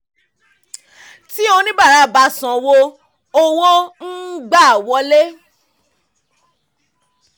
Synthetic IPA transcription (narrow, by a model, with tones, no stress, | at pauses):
ti˦õ˧nĩ˦ba˦˨ɾa˧˦˨ba˧˦sɔ̃˨wo˧ | o˦˧wɔ̃˦n̩˦ɡ͡ba˦˨wɔ˧˦le˦